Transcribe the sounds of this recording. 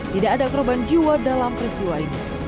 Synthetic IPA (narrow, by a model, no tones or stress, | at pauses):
t̪idaʔːdakɔɾband͡ʒiwadalampɾist̪iwlaini